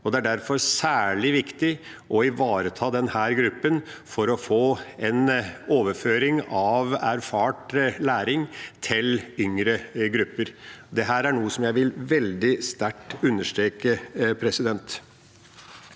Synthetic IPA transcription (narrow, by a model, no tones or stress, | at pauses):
ɔd̪ɛæɖæɾfɔɾsæːɭɪʋɪkt̪ɪ | ʔɔɪʋɑːɾət̪ʰɑːd̪ɛnhæːɾɡɾʉpːənfɔɾɔfoːɛnoːʋəføːɾɪŋɑʋæɾfɑːʈlæːɾɪŋt̪ʰɪlʏŋɾəɡɾʉpːəɾd̪ɛɦæːɾæɳuːəsɔmjæɪʋɪlʋɛld̪ɪst̪æʈːʉnːəʂʈɾeːkəpʰɾɛsɪd̪ɛnt̪